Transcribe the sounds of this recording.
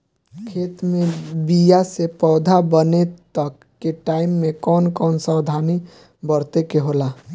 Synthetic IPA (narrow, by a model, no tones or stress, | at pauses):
kʰeːt̪mẽbijasepɔːd̪ʱabənet̪əkːeʈaːɪmːẽkɔːnkɔːnsawd̪ʱaːni | bəɾt̪ekeɦola